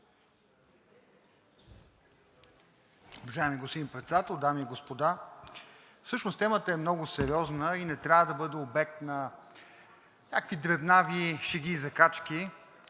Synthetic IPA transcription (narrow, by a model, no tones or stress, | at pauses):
ovɐʒaɛmiɡost̪inipɾɛt̪sɛd̪at̪ɛlˠd̪amiɡospod̪a | fsɤʃnoʊst̪ɛmət̪əɛmnɔɡʊsɛɾʲiɔznəinɛt̪ɾʲavəd̪ɐbɤd̪ɛobɛk̚t̪nɐ | nʲa̰kəkvid̪ɾɛd̪naviʃɛɡʲizɐkat͡ʃki